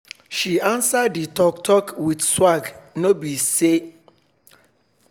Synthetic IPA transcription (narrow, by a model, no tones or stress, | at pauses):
ʃiãnsadːitɔktʰɔkwidswaɡnobise